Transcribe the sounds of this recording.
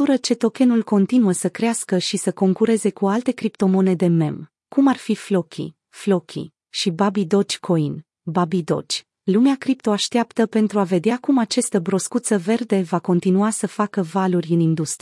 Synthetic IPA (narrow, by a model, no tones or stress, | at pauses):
uɾət͡ʃe̞t̪o̞kʲe̞nulko̞nt̪inuəsəkɾeaskəʃisəko̞ŋkuɾe̞ze̞kualt̪e̞kɾipt̪o̞mo̞ne̞d̪e̞me̞̰m | kumarfiflo̞kʲʰḭ | flo̞kʲʰḭ | ʃibabid̪o̞t͡ʃʲkʰo̞in | babid̪o̞̰t͡ʃʲ | lumeakɾipt̪o̞aʃt̪eapt̪əpe̞nt̪ɾuave̞d̪eakumat͡ʃast̪əbɾo̞skut̪səve̞rd̪e̞vako̞nt̪inuasəfakəvalurʲɨnind̪ust̪ɾi